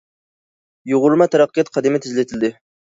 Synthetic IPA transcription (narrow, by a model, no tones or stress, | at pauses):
joʁʊɾmɑt̪ʰɛɾɑqːɨjɑt̪̚qʰɑd̪ɪmɛɪt̪ʰɪzlɪt̪ʰɪld̪ɪ